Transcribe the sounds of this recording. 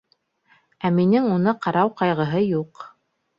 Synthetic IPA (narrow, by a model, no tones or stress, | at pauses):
æminɘŋunɤqɑɾɑwqɑjʁɤ̆ɦɤjuq